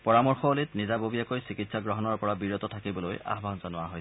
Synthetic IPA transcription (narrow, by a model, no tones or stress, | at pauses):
pɔɹamɔɹxɔlitnizabobijakojsikitsaɡɹɔɦɔnɔɹpɔɹabiɹotɔtʰakibɔloja̰ɦbʱanzanʊwaɦoj